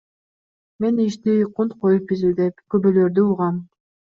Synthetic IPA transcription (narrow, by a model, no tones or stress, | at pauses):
me̞niʃt̪iqʰunt̪qʰojup̚bizyd̪epkøbøløɾd̪yuʁɑm